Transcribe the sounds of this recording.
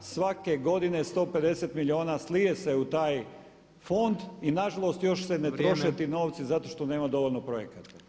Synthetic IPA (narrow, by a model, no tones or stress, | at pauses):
sʋake̞ɡo̞d̪inest̪o̞ːpe̞d̪e̞set̪miʎʲio̞ːnaslijeseut̪aːj | fo̞nd̪inaʒalˠo̞st̪jo̞ʃsenet̪ɾo̞ʃet̪ino̞ːʋt̪sizat̪o̞ʃt̪one̞ːmad̪o̞ʋo̞lʲnopɾojekat̪a